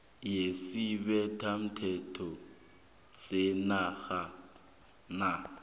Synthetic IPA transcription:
jesibɛtʰam̩tʰɛtʰɔ | senaɣa | na

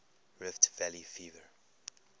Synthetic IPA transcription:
ɹɪftvɛlifiːvə˞

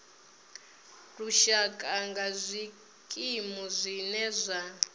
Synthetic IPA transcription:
tʼuʃakʼaŋɡazʷi | kʼimuzʷinɛzʷa

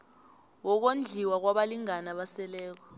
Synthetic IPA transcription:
wɔk̬ond͡ɮʱiwak̬waɓaliŋanaɓasɛlɛːk̬ɔ̥

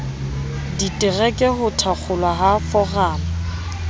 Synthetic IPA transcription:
ditʼɪrɛkʼɛhʊtʰak͡xʰʊlwaɦafɔraːŋ̩

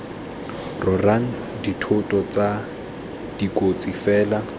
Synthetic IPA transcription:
rʊraŋ̩ | ditʰʊtʼɔt͡sa | d̥ikot͡sʼifɛːla

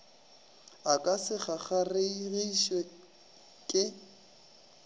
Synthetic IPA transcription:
akʼasɪχaχareiɣiʃwɛ | kʼɪ

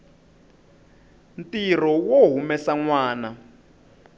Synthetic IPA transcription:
ntir̤ɔwoɦumɛsaŋwaːna

